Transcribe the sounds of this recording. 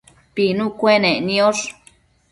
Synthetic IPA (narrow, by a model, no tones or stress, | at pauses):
pinũkʷenẽnĩoʂ